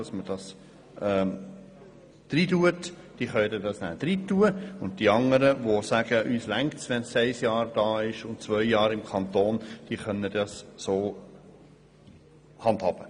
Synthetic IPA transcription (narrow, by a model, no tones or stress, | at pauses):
ɑsməd̥ɑs | ʔɛː | d̥riːduət | d̥iːχœʏdədɑsnæ̰ːd̥ɾiːtːuəʊnt̚d̥iːɑŋəɾəʋosæɡ̥əʔyːslæŋktsʋɛnsɛɪsjɑːɾd̥ɑːɪʃʊnt̚t͡svœʏjɑːɾɪmkʰɑnt̪oːnd̥iːχœnːədɑssoː | hɑnthɑːb̥ə